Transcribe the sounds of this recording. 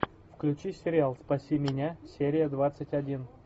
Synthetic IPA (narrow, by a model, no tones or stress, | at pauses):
fklʲʉt͡ɕisʲɪɾʲɪalˠspɐsʲimʲɪnʲasʲeɾʲɪjəd̪vat̪sətʲɐdʲin